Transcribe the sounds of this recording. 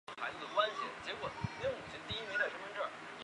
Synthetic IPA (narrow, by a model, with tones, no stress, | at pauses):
xa˧˥ɪd͡zɹ̩˥˩kwa˥nɕi˥˩nt͡ɕjɛ˧˥kwɔ˨˩˦m˧˥ʊ˥ŋu˨˩ɕʰɛ˧˥nt̪i˥˩i˥mi˧˥ŋlə˨˩ə˥mə˧˥nʈ͡ʂə˥˩